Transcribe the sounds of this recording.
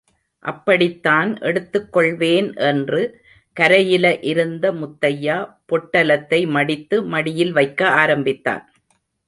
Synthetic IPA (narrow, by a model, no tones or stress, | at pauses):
ʔɐpːɐɽɪt̪ːaːnʔɛɽɯt̪ːɯkːɔɭʋeːnʔɛndrɯ | kɐɾɐjɪlɐʔɪɾɯnd̪ɐmʊt̪ːɐjaːpɔʈːɐlɐt̪ːɐɪmɐɽɪt̪ːɯmɐɽɪjɪlʋɐɪkːɐaːɾɐmbɪt̪ːa̰ːn